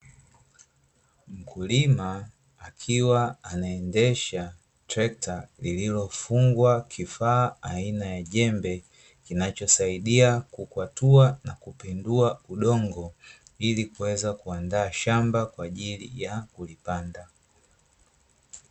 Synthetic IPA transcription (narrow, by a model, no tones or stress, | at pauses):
m̩kʰulimaː | kʰiwaːnaɛndɛʃa | tɾɛk̚tʰalililɔfuŋɡwakʰifaːainajaʄɛmbɛ | kinat͡ʃɔsaiɗiakukwatuanakupɛnduauɗɔŋɡɔ | ilikuwɛzakuandaːʃambakwaːʄilḭjakulipanda